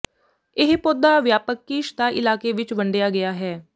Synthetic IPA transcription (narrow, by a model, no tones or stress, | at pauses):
ɪɦpoːd̪aːʋjaːpəkːiːʃd̪aːʔɪlaːkeːʋɪt͡ʃʋəɳɖejaːɡɪjaːɦɛː